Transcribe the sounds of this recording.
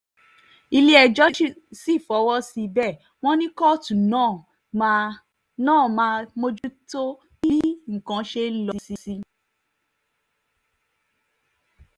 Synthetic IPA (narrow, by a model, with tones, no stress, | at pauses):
i˧le˦ɛ˧˨d͡ʒɔ˦ʃi˦si˦˨fɔ˨˦wɔ˦si˧bɛ˦˨ | w̃ɔ̃˦nĩ˦kɔ˦˨tũ˨nã˦˨ | nãː˦˨mã˧mo˧d͡ʒu˦to˦ | i˦i˦ŋ̩˨kã˨˧ʃe˧˦n̩˦lɔ˧si˧si˧